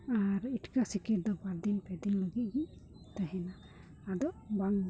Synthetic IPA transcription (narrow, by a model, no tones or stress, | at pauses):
aɾiʈkasikiɾ̚d̪ɔbaɾd̪inpɛd̪inləɡit̪̚ɡi | t̪aɦɛnaː | d̪ɔʔbaŋ